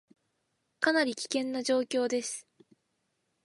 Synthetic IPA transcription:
kanaɾʲikʲi̥kẽ̞nːaʑo̞ːkʲo̞ːd̪e̞sɨ̥

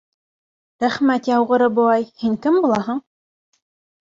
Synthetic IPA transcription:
ɾæχmæt̪jɑwʁɤ̆ɾɤbŏɑjhiŋkɘmbulˠɑɦɤ̆ɴ

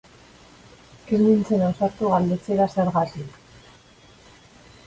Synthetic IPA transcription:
kemd̪int͡se̞naosaɾt̪uɣald̪e̞t͡se̞ɾase̞ɾɣat̪ik

